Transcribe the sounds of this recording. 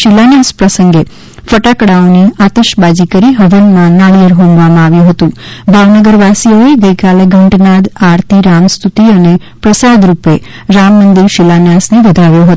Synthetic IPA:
ʃilanjaspɾəsəŋɡe | fəʈakɽaoniat̪əʃbad͡ʒikəɾiɦəʋənmãnaɭijəɾɦõmʋamãaʋjũɦət̪ũbʱaʋnəɡəɾʋasijoeɡəjkaleɡʱəɳʈnad̪aɾt̪ʰiɾamst̪ʰut̪iəne | pɾəsad̪ɾupe | ɾamːənd̪iɾʃilanjasneʋəd̪ʱaʋjoɦət̪

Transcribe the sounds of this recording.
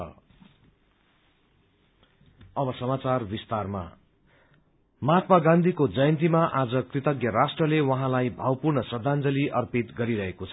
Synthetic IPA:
ʌ̰ | ʌbʌsʌmat͡sarbist̪arma̰ | mʌɦat̪maɡãnd̪ʱikod͡zʌjʌnt̪imaʔad͡zʌkrit̪ʌɡjʌɾasʈrʌlewʌɦãlajbʱawpurnʌsʌd̪ʱand͡zʌliʔʌrpit̪ɡʌɾiɾʌɦekot͡sʰʌ

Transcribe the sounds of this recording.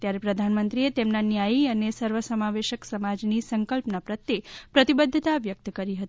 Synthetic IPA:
t̪jaɾepɾəd̪ʱanmənt̪ɾiet̪emnanjajiənesəɾʋəsəmaʋeʃəksəmad͡ʒnisəŋkəlpnapɾət̪jepɾət̪ibəd̪ʱːət̪aʋjək̚t̪kəɾiɦət̪i

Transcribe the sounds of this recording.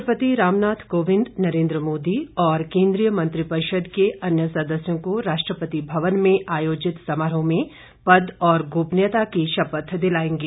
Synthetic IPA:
pət̪iɾaːmnaːt̪ʰkoːʋɪ̃nd̪nɐɾẽːnd̪ɾəmoːd̪iɔːɾkẽːnd̪ɾijəmɐ̃nt̪ɾipəɾɪʃəd̪keʔɐnjəsɐd̪əsjõkoɾaːʃʈɾəpət̪ibʱɐʋənmẽʔaːjoːd͡ʒɪt̪sɐmaːɾõmẽ | pɐd̪ɔːɾɡoːpnjət̪akiʃɐpət̪d̪ɪlaːẽːŋɡiː

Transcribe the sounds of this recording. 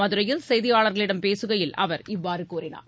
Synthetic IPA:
ɐðɯɾɐjɪlsɛjðɪjaːɭɐɾɣɐɭɪɽɐmpeːsɯɣɐjɪlɐ̰ʋɐɾɪʋːaːɾɯkuːrɪna̰ː

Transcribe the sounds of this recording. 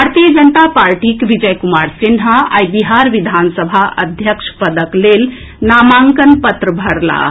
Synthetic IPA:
bʱaɾt̪ijəd͡ʒənt̪apaɾʈikʋid͡ʒəjkumaɾsinɦaa̰jbiɦaɾʋid̪ʱansəbʱaʔəd̪ʱjəkʃʰpəd̪əklel | namaŋkənpət̪ɾəbʱəɽla̰

